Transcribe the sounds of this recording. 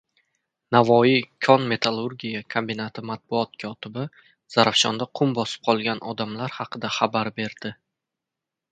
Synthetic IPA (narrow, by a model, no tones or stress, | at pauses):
navɒikʰɒnme̞t̪ʰalˠuɾɡʲijakʰombinat̪ʰɪmat̪̚bʊɒt̪̚kʰɒt̪ɪbɪ | z̥aɾafʃɒ̰nd̪aqʰʊmbɒsɪ̥p̚qʰɒlˠɡʲanʔɒd̪amlaɾhɑqʰɨd̪aχabaɾbe̞ɾd̪̥ɪ